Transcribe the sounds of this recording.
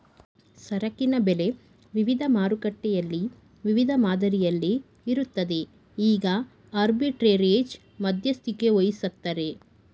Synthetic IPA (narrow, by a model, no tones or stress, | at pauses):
sɐɾɐkinɐbele̞ | ʋiʋid̪ʱɐmaːɾukɐʈːɛjɐlːi | ʋiʋid̪ʱɐmaːd̪ɐɾijɐlːiː | ɾut̪ːɐd̪e̞ | iːɡɐ | aːɾbiʈɾeɾeːd͡ʒ | mɐd̪ʱjɐst̪ikeojisɐk̚t̪ːɐɾe̞